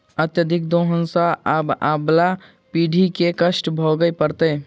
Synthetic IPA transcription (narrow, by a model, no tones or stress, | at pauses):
ət̪jəd̪ʱɪk̚d̪oːɦənsaʔababla | piːɖʱikekəʃʈbʱoɡəepəɾt̪eː